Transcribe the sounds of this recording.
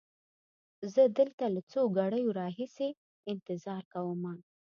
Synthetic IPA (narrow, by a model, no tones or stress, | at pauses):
zəd̪əlt̪alat͡soɡaɽəjoɾɑɦise | ɪnt̪ɪzɑɾkawəma